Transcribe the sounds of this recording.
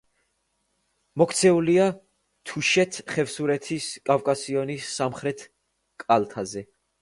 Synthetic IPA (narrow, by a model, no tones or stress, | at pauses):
mɔkʰt̪sʰɛulia | t̪ʰuʃɛt̪ʰχɛvsuɾɛt̪ʰiskʼavkʼasiɔnisːamχɾɛt̪ʰ | kʼalt̪ʰazɛ